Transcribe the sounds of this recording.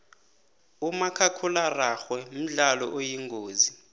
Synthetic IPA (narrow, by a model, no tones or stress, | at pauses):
umakʰakʰularaxwɛm̩ɮalɔʔojiŋɡʱoːzi